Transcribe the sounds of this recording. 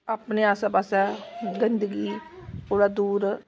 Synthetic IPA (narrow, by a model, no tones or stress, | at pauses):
apneːaːsaːpaːsɛːɡənd̪əɡiːoːɽad̪uːɾ